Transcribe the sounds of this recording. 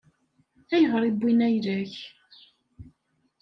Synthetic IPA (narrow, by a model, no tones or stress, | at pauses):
æjəʁɾˤibʷːinæjlæç